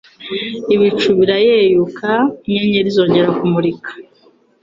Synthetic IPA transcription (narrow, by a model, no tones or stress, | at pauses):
iβit͡ʃuβiɾajejukʰaɲeɲeɾizo̞ːɲɟe̞ɾakumuɾikḁ